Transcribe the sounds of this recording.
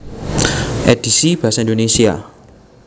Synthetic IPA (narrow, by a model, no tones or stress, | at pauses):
ʔɛd̥isib̥asaĩndonesia